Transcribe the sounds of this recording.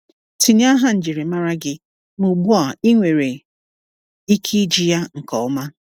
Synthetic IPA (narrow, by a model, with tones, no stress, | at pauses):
tʰi˨ɲ˦a˦ɦa˦n̩˨d͡ʒi˨ɾe˨ma˦ɾa˦ɡɪ˦ | mu˨bu˦a˨i˦ŋʷe˨ɾe˨ | i˦kʰi˦d͡ʒi˦ja˦ŋ̩˨kɔ˨ʊ˦ma˦